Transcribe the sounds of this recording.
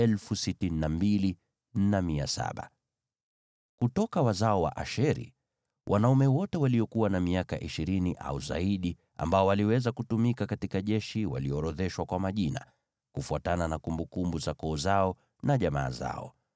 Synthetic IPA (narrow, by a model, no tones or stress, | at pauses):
ɛlfusitininambili | n̩namiasa̰ɓa̰ | kutɔkawazaɔwa̰ʔaʃɛɾḭ | wʔanaumɛwɔtɛwaliɔkuwanamiaka̰ʔiʃiɾiniʔa̰uza̰iɗi | a̰mbaɔwaliwɛzakutumikakatikaʄɛʃiwa̰liɔɾɔðɛʃwakwamaʄina̰ | kufuatananakumbukumbuzakɔːzaɔ | naʄama̰ːza̰ɔ̰